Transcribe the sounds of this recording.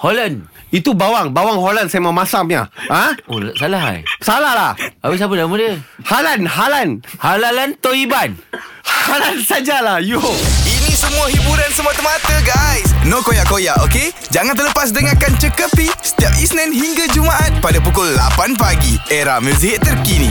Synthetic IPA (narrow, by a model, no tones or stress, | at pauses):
holanit̪ubawaŋbawaŋɦolandsajmamasamɲa̰hãolsalaɦa̰jsalahlahawis̬abadamədəhalanɦalanhalalant̪ohibanhalansad͡ʒalahjuinĩsəmũaɦibuɾansəmuat̪əmat̪əɡajsnokojaʔkojaʔoke | d͡ʒaŋant̪̬ələpas̬dəŋakant͡ʃəkəpisə̥t̪iap̚isnɛ̃nɦiŋɡad͡ʒumaʔat̪̚padapukʊlːa̰panpaɡieɾahmus̬iɦɪt̪ːərkinḭ̃